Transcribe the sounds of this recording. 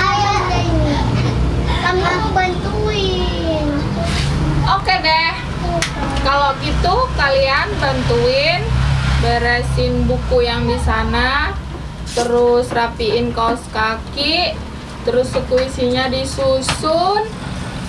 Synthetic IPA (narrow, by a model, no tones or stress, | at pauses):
kamiaubant̪uɪn | okedɛh | kaloɡit̪ukalianbant̪uɪnbaɾasɪnbukujaŋdisana | t̪əɾʊsrapiɪnkasə̥kakiʔ | t̪əɾʊsːəkuisiɲadisusʊn